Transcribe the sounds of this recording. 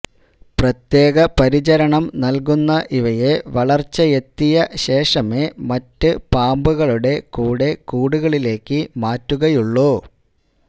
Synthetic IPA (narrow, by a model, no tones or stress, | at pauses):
prɐt̪je̞ːɣɐpɐɾit͡ɕɐɾɐɳɐmnɐlkunːɐʔiʋɐje̞ʋɐɭɐrt͡ɕːɐjet̪ːijɐɕe̞ːʂɐme̞mɐtːɨpaːmbuɣɐɭuɽe̞kuːɽe̞kuːɽuɣɐɭile̞ːkːɨmaːtːuɣɐjuɭːoː